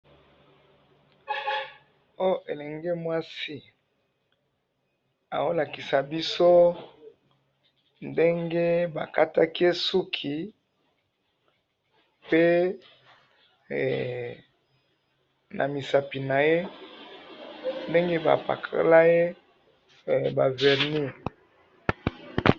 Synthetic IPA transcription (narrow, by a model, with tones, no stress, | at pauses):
o˦o˦ʔe˨lɛ˨ŋɡe˦mwa˦si˦ | a̰˨wo˦la˨ki˨sa˨bi˦so˦ | nde˦ŋɡe˦ba̰˨ka˦ta˦ki˦e˦su˦kʰi˨ | pe˦˨ | nʔa̰˨mi˨sa˨pi˨na˨je˦ | nde˦ŋɡe˦ba̰˨pa̰˨kʰa̰˦la˦je˦˨ | ba˨vɛ˨ʁni˦˨